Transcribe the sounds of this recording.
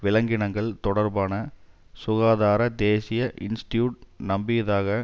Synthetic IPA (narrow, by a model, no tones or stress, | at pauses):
ʋɪlɐŋɡɪɳɐŋɡɐɭt̪ɔɽɐɾbaːnɐ | sʊɣaːðaːɾɐd̪eːsɪjɐʔɪnsʈɪjuːʈ̚nɐmbɪjɐðaːɣɐ